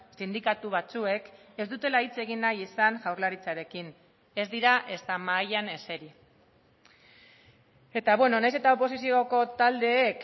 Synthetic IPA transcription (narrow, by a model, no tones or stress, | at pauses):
sind̪ikat̪uβ̞at͡sue̞ke̞zd̪ut̪e̞lait͡se̞ɣinːajisaŋʝawɾlaɾit͡saɾe̞kin | e̞zd̪iɾaʔe̞st̪amaːʎane̞se̞ɾi | e̞t̪aβwe̞no̞najse̞t̪ao̞po̞sisio̞ko̞t̪ald̪e̞ːk